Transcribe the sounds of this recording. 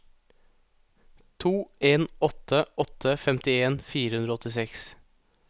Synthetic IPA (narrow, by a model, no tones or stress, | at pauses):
t̪ʰuːeːnɔt̪ʰəɔt̪ʰəfɛmt̪ɪeːnfiːɾəhʉnɾoɔɔt̪ɪsɛks